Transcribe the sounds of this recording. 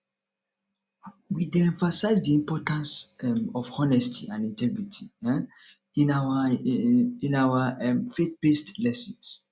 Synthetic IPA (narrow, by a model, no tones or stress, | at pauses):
wideɛ̃ɱfasaɪzdiɛ̃mpɔtãnsɛmɔfhɔnɛstʰiãnĩntʰɛɡɹitʰi | inawa | ĩnawaɛmfet̚bestlɛsɔ̃ns